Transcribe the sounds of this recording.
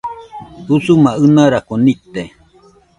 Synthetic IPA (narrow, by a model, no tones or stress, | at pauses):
usumaɨnaɾakonit̪e